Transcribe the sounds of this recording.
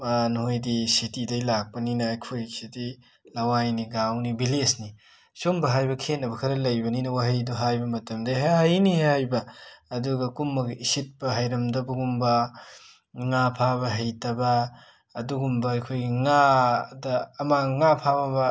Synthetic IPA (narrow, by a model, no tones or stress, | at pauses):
anhojdisitidɐjlak̚pɐninɐːjkʰojsidi | lɐwajniɡawnibilesni | sumbɐɦajbɐkʰenːɐbɐkʰɐɾɐlɐjbɐninɐwaɦɐjduɦajbɐmɐtɐmdɐɦaɦɐjnihajbɐːduɡɐkumːɐɡɐʔisit̚pɐɦɐjɾɐmdɐbuɡumbɐ | ŋapʰabɐɦɐjtɐbɐː | duɡumbɐːjkʰojɡiŋadɐːmaŋapʰabɐbɐ